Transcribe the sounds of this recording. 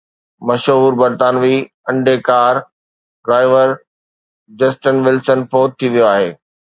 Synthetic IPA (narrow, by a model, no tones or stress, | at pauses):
mɐʃɦuːɾbɐɾt̪aːnʋi | ɐ̃ɳɖekaːɾ | ɖɾaːɪʋəɾ | d͡ʑɐsʈənʋɪlsənpoːt̪̚t̪ʰːiʋijoaːɦeː